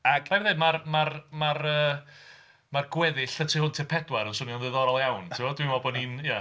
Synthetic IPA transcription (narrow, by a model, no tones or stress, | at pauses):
aɡaɾðɨnmarmarmarəː | marɡwɛðɪɬʰatʰiɦʊntʰɪpʰɛdwaɾənsʊniɔnðɨːðɔɾɔlˠjawntʰɪwɔdwimɔbɔninja